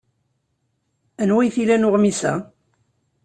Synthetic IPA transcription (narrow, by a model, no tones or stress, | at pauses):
ænwæjθilænʊʁmisæ̰